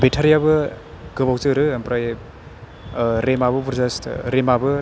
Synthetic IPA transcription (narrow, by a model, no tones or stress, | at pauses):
betʰaɾijabɯ | ɡɯbawt͡ʃɯɾɯɐmpɾaj | ɾemabɐbuɾzastɾemabɯ